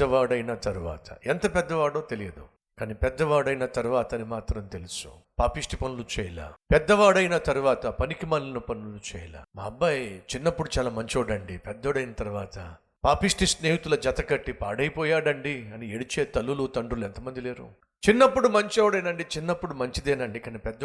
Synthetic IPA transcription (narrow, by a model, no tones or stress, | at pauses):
ɐʋaːɽɐjnɐt̪ɐɾuʋa̰ːt̪ʰɐ̰ent̪ɐpɛd̪ːɐʋaːɽoːt̪elijɐd̪ṵ | kaːniːpɛd̪ːɐʋaːɽɐjnɐt̪ɐɾuʋaːt̪ɐnimaːt̪ɾɐmt̪e̞lusu̥̰ | paːpiʂʈipɐnulut͡ʃɛːjɐla̰ːpɛd̪ːɐʋaːɽɐjnɐt̪ɐɾuʋaːt̪ɐpɐnikimɐːnlɐnupɐnulut͡ʃɛ̰ːjɐla̰ːmaːɐbːajt͡ʃinːɐpːuɽut͡ʃaːlaːmɐɲt͡ʃoːɽɐɳɖipɛd̪ːoːɽɐjnɐt̪ɐɾuʋaːt̪ɐ | paːpiʂʈisneːjit̪ulɐd͡ʒɐt̪ɐkɐʈːipa̰ːɽɐjipɔːjaːɽɐɳɖiɐnieɽit͡ʃeːt̪ɐlːulut̪ɐɳɖɾuluɛnt̪ɐmɐnd̪ileːɾṵ | t͡ʃinːɐpːuɽumɐɲt͡ʃoːɽɐjnɐɳɖit͡ʃinːɐpːuɽumɐɲt͡ʃid̪eːnɐɳɖikaːnipɛd̪ːɐ